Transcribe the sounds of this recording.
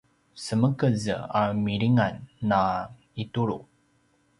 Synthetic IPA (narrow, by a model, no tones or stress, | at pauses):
səməkəzə̰amiɾiŋanːa | ituɾṵ